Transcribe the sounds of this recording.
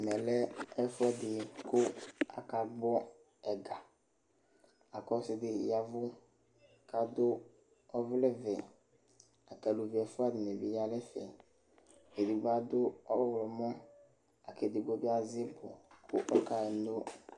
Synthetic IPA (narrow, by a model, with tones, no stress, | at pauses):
mɛ̃˨lɛ˦ɛ˦fʊ˦ɛ˦d̪ɪ˨kʊ˦a̰˨ka˨ɡ͡bɔ˦ | ɛ˨ɡa˨ | a˨kɔ˦sɪ˦d̪ɪ˨ja˨vʊ˦ | ka˨d̪ʊ˦ | ɔ˦vlɛ˦vɛ˨ | a˨kɛ˨lu˨vi˨ɛ˨fʊ˦a˦dɪ˨me˨vi˨ja˨lɛ˦fɛ̰˨ | e˨di˨ba˦d̪ʊ˦ɔ˦wɔ˦wlɔ˨mɔ̃˦ | a˨kɛ˨d̪ɪ˨ɡ͡bɔ˦be˦a˨zɪ˦bɔ˨kʊ̰˦ʔɔ˦ka˨ɛ˨no˦